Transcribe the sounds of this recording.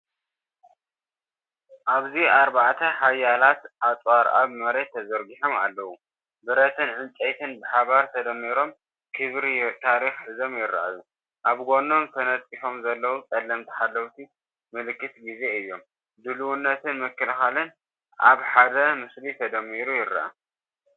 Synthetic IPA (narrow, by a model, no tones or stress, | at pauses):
ʔaβziaɾbaʕt̪ʰɐħajːalat̪ʔat̪ʼwaɾʔa̰βmɐɾe̞t̪ʰːɐzɐɾɡiħoma̰lːɐwu | bɨɾɐt̪ʰɨnʕɨnt͡sʼɐjt̪ʰɨnbɨħaβaɾt̪ʰɐd̪ɐmːiɾo̞m | kʰɨβɾit̪ʰaɾixħɨzo̞mjɪɾːa̰ʔa̰ju | ʔaβɡo̞no̞mt̪ʰɐnɐt̪ʼːiħo̞mzɐlːɐwukʼɐlːɐmt̪ʰi̥ħalːɐwt̪ʰi | mɨlɨkːɨt̪ɡize̞ɨjːo̞m | d̪ɨluwunːɐt̪ʰɨnmɨkːɨlɨxalɨn | ʔa̰βħad̪ɐmɨslit̪ʰɐd̪ɐmːiɾujɪɾːa̰ʔa̰